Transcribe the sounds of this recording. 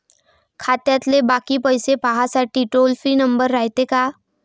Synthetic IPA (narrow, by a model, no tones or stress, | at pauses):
kʰaːt̪jat̪lebaːkipəjsepaɦasaʈiʈoːlfʰɾinə̃mbəɾːaːjt̪ekaː